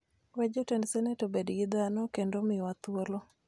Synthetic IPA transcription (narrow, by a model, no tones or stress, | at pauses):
wɛd͡ʒotendsɛnɛtobedɡɪd̪anɔkendomɪwat̪wolo